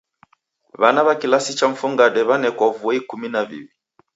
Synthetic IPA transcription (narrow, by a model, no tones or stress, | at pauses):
βanaβakilasit͡ʃaɱ̩fuŋɡadɛβanɛkwɔvuɛikuminavḭwi